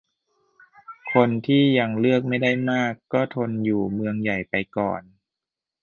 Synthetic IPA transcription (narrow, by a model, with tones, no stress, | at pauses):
kʰo˧nt̪ʰiː˥˩ja˧ŋlɯ˥˩ək̚ma˥˩jda˥˩jmaː˥˩kːɔː˥˩t̪ʰo˧njuː˨˩mɯ˧əŋja˨˩jpa˧jkɔ̰ː˨˩n